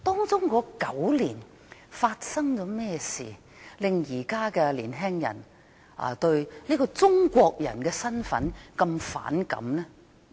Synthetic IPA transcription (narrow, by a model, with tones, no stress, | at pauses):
t̪ɔː˥ŋt͡sʊ˥ŋkɔː˨˧˥kɐ˨˥wliː˨˩n | faː˧t̚sɐ˥ŋt͡sɔː˨˥mɛː˥sḭː˨ | lɪ˨ŋjiː˨˩kaː˥kɛː˧liː˨˩nɦɛː˥ŋjɐ̰˨˩n | ʔa̰˨˧t̪ɵ˧ɥliː˥kɔː˧t͡sʊ˥ŋkʷɔː˧k̚jɐ̰˨˩nkɛː˧sɐ˥nfɐ̰˨˥nkɐ˧mfa̰ː˨˥nkɐ̰˨˧˥mnɛ˥